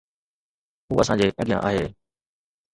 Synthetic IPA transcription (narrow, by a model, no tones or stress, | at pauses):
ɦuːɐsãːd͡ʑeːpɐɡɪjã̰ʔa̰ːɦeː